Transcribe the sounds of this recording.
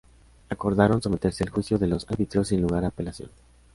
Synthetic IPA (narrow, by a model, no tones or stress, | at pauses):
ako̞ɾðaɾo̞nso̞me̞t̪e̞ɾse̞alxwisjo̞ðe̞lo̞saɾβit̪ɾosːinluɣaɾaːpe̞lasjo̰n